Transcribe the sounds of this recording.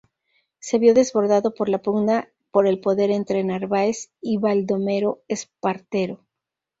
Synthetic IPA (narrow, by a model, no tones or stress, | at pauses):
se̞βjo̞ðe̞zβo̞ɾðaðo̞po̞ɾlapuɡna | po̞ɾe̞lpo̞ðe̞ɾe̞nt̪ɾe̞naɾβaesiβald̪o̞me̞ɾo̞espaɾt̪e̞ɾo̞